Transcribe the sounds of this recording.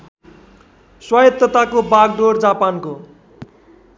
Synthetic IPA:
swajʌt̪ːʌt̪akobaɡ̚ɖoɽd͡zapanko

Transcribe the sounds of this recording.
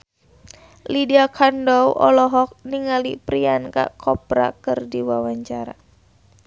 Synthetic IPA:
lidiakʰandɔwʔɔ̰lɔɦɔk̚niŋalipɾianka̰ʔkʰɔpɾa̰kɨrdiwawaɲt͡ʃaɾa̰

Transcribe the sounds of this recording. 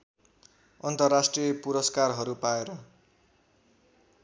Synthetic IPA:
ʌnt̪ʌrːasʈrijʌpuɾʌskarɦʌɾupaeɾʌ

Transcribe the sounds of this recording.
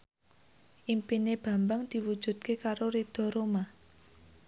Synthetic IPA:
ʔimpineb̥ä̤mbaŋd̪̥i̤wud̥ʒ̥ṳd̪̚kekaɾoɾid̪̥ɔ̤ɾoma

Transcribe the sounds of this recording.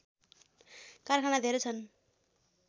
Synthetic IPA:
karkʰanad̪ʱeɾet͡sʰʌn

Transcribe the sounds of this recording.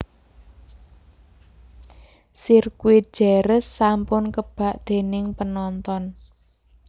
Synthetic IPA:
sirkwi̥ʒ̥eɾəsːampʊnkəb̥a̤ʔd̪̥e̤nɪŋpənɔnt̪ɔn

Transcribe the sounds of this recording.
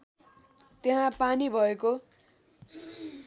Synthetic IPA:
t̪eɦãpanibʱʌeko

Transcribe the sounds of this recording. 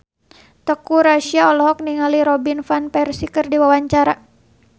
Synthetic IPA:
t̪əkuɾaʃiaɔlɔɦɔk̚niŋaliɾɔbinfanpɛrsikərdiwawaɲt͡ʃaɾa

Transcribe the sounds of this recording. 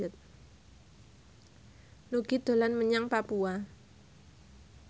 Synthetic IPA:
ət̪̚ | nuɡ̥id̪̥o̤lanməɲaŋpapua

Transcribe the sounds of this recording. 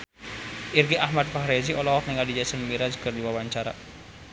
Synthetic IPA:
ʔirɡiʔahmad̪̚faɦɾeziʔɔlɔɔk̚nɪŋadid͡ʒasənmiɾad͡ʒə̥kərd̪iwawaɲt͡ʃaɾa̰

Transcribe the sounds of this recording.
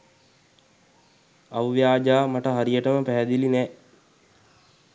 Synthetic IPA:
aʋʋjaːd͡ʒaːmaʈəɦaɾijəʈəməpæɦæd̪ilinɛː

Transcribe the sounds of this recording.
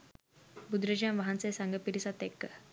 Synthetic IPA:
bud̪ɾəd͡ʑãmʋaɦãnt͡sesaŋɡəpiɾisat̪ekːə

